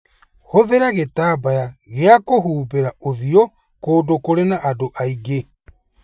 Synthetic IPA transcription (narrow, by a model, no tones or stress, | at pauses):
hoðeɾaɣetaːbajaɣeakoɦuːbeɾaoðio | koːdokoɾenaʔːdoʔaiɡe